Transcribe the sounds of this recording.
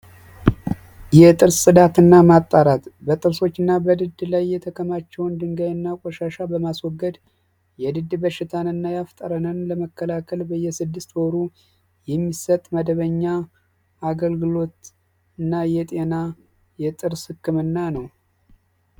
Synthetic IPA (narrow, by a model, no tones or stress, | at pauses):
jɛt̪ʼɨɾssɨd̪at̪ɨnːamat̪ʼːaɾat̪bət̪ʼɨɾso̞t͡ʃːɨnːabəd̪ɨd̪lajːɛt̪ʰəkʰəmat͡ʃːɛwnd̪ɨŋɡəjɨnːakʼɔʃaʃabəmaswɔɡːəd̪ | jɛd̪ɨd̪ːbəʃɪt̪ʰanɨnːajaft̪ʼəɾənənləməkʰːəlakʰəlbəjːɛsɨd̪ːɨst̪woɾu | jɛmːisət̪ʼməd̪əβəɲːa | aɡəlɡɨlo̞t̪ | ɨnːajɛt̪ʼe̞na | jɛt̪ʼɨɾshɨkːɨmɨnːanəw